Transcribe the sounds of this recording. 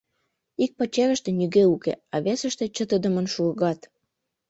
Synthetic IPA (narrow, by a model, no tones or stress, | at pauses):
ik̚pɑt͡ɕeɾə̆ʃt̪ĕnʲyɣeukḛɑβesəʃt̪ĕt͡ɕət̪əd̪əmə̆nʃuɤɣɑt̪